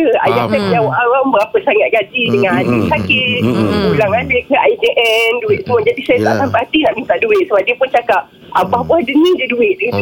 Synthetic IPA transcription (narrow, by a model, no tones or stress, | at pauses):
əa̰jaʔsamjawʔaɾambəɾapəsaŋaʔɡad͡ʒidəŋananɪnsakɪbulaŋadəkəaid͡ʒeʔɛnduɪʔ̚səmʊnd͡ʒadisajat̪aʔsampaɦat̪inaʔmint̪aʔduɪʔ̚səbadipʊnt͡ʃakap | abahbuahdənididuɪʔ̚də